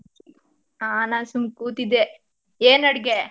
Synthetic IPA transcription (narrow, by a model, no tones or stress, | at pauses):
aːnaːsumkuːt̪id̪e | eːnɐɽɡe